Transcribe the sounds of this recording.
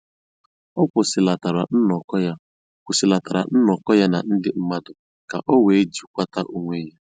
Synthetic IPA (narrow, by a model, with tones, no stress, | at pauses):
ɔ˦kʷʊ˨sɪ˨la˨ta˨ɾa˨n̩˦nɔ˨kɔ˦ja˦ | kʷʊ˨sɪ˨la˨ta˨ɾa̰˨n̩˦nɔ˨kɔ˦ja˦na̰˨n̩˦dɪ˦m̩˦ma˦dʊ˨ | ka˨ʔɔ˦we˨e˦d͡ʒu˨kʷa˦ta˦ʔu˦ŋʷe˦je˦